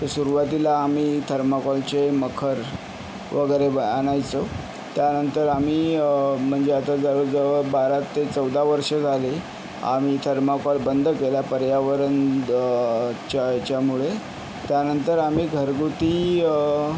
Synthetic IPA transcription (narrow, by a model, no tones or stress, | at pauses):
t̪əsuɾuʋat̪ilaːmiːt̪ʰəɾmakɔlt͡ɕeməkʰəɾ | ʋəɡəɾeəañajt͡so | t̪janənt̪əɾamiːm̤əɳd͡zeat̪ad͡zəʋəd͡zəʋəɾbaɾat̪ːet͡səwd̪ʱaʋəɾʂəd͡zʱale | a̰miːt̪ʰəɾmakɔlbənd̪ʱkeljapəɾjaʋəɾən | t͡ɕat͡ɕjamuɭe | t̪janənt̪əɾamiːɡʱəɾɡut̪iː